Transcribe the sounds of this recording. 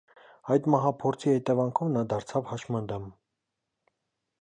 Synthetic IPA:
ɑjd̪mɑɦɑpʰɔɾt͡sʰihɛt̪ɛvɑŋkʰɔvnɑd̪ɑɾt͡sʰɑvhɑʃmɑnd̪ɛm

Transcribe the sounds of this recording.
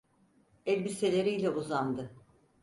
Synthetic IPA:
ɛlʲbise̞lʲe̞ɾijlʲɛuzand̪ɯ

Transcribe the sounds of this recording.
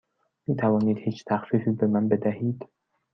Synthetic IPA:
miːt̪ʰævɒːniːd̪hiːt͡ʃt̪ʰæxfiːfiːbemænbed̪æhiːd̪̥

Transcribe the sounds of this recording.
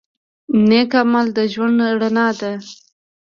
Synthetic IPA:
mnekamald̪əʒwaɳɖɽanɑd̪a

